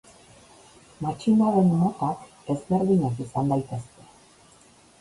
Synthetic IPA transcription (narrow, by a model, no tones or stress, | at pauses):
mat͡ɕind̪aðenmot̪ɑk | ezβeɾðiɲakisand̪ajt̪est̪e̥